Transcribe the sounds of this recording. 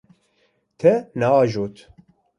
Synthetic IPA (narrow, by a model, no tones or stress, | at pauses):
t̪ʰɛnaɑːʒoːt̪